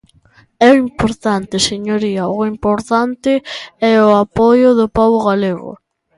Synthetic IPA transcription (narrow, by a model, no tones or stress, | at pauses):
ɛʊimpoɾt̪ant̪ɪseɲoɾiɐʊimpoɾt̪ant̪ɪɛʊapɔjʊðʊpaβʊɣaleɣʊ̰